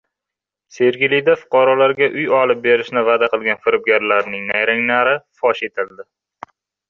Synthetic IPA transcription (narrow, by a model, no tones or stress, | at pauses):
se̞ɾɡʲɪlɪjd̪afʊ̥qʰɑɾɒlaɾɡʲaʔʊjɒlˠɪp̚be̞ɾɪʃnɪvad̪aqɨlˠɡʲanfɪɾʊb̚ɡʲaɾlaɾnɪŋnajɾaŋnaɾɪfɒʃe̞t̪ʰɪld̪ɪ